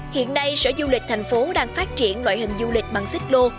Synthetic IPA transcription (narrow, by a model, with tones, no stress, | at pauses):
hḭ˧˨ənːa˧jsə̰˧˥zu˧lï˨˩k̟̚t̪ʰa˨˩jŋ̟fo˨˦ɗaː˧ŋfaː˦˥t̚t͡ɕi˧˩ənlwa̰ː˧˨jhï˧˨˩ŋ̟zu˧lï˨˩k̟̚ɓa˨˩ŋsï˦˥k̟̚lo˧